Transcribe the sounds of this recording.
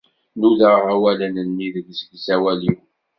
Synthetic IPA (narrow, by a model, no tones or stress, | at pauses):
nuləʁawælənənmiðəɡsɡsæwæliw